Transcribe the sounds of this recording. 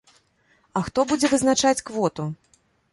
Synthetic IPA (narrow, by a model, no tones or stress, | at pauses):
ɐxt̪ɔbud͡zʲɛvɨznat͡ʂat͡sʲkvɔt̪u